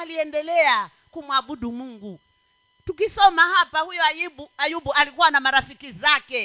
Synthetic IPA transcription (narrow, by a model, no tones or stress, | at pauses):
aliɛndɛlɛa | kumuaɓuɗumuŋɡu | tukisɔmahapahujɔajiɓuajuɓualikuwanamaɾafikizakɛ